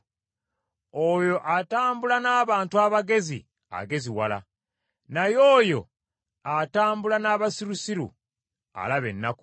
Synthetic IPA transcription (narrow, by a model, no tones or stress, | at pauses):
ojo̞ʔataːmbulanaːβaːntuaβaɡe̞zḭ | a̰ɡe̞ziwala̰ | najoːjo̞ | ataːmbulanaːβasiɾusiɾṵ | a̰laβe̞̰nːaku̥